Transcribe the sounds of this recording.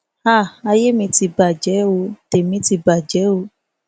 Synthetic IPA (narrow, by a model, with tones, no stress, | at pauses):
a˦˨a˧je˦mĩ˧ti˧ba˨d͡ʒɛ˨˦o˧˦te˨mĩ˨˦ti˧ba˨d͡ʒɛ˨˦o˧˦